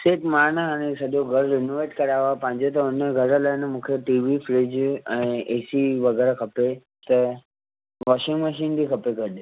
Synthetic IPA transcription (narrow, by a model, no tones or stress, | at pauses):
seːʈmaːɾnəɦaɽ̃esɐɗoɡʱəɾɾenoʋeːʈkɐɾaːʋapãɦɪ̃ɲd͡ʑot̪ɐʊnəɡʱəɾəlaɪnemũːkʰeʈiːʋifʰɾɪd͡ʑɛ̃ːeːsiʋɐɡɛːɾakʰɐpe | t̪ɐ | ʋɔːʃɪ̃ŋɡməʃiːnd̪ikʰɐpeɡʱəɗ